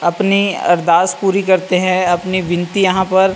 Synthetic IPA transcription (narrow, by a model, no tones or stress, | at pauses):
ɐpniɐ̰ɾd̪aːspuːɾikɐɾt̪eɦɛ̃ɐpniʋɪnt̪ijɐɦãpɐɾ